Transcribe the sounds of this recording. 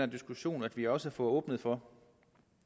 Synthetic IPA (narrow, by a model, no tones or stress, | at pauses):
ɐd̥isɡ̥uɕo̝̰ːnæd̥ʋiɒ̽səfɔ̽ːɔ̽ːb̥nəð̞̩ˠfɒ̽